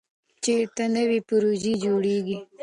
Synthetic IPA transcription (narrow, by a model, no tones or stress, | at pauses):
t͡ʃeɾt̪anəwipʊɾud͡ʒid͡ʒoɽeɡi